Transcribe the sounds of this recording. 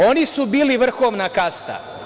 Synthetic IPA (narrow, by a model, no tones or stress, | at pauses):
o̞nisubiːliʋr̩xoːmnakast̪a̰